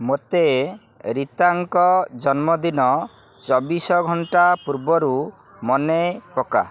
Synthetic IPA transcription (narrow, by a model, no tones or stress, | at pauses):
mot̪e | ɾit̪aŋkɔd͡ʒɔnmɔd̪inɔ | t͡ʃɔbisɔɡʱɔɳʈapuɾbɔɾu | mɔnepɔka̰